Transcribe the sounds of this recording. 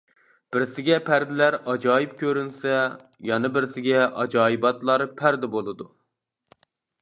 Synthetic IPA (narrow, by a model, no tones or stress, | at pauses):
b̥ɪɾsɪɡʲɛpʰæɾd̪ɪlæɾɑd͡ʒɑːjip̚kʲøɾynsɛ | jɑnɨbɪɾsɪɡʲɛʔɑ̰d͡ʒɑːjibɑt̪lˠɑɾpʰæɾd̪ɛbolˠɨd̪u